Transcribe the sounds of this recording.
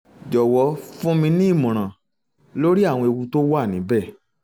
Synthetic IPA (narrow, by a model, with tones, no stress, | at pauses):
d͡ʒɔ˨wɔ˨˧˦fũ˦mĩ˧nĩ˦˨mũ˨ɾ̃ã˨ | lo˦ɾi˦a˦˨w̃ɔ̃˧e˧wũ˧to˦wa˦˨nĩ˨˦bɛ˦˨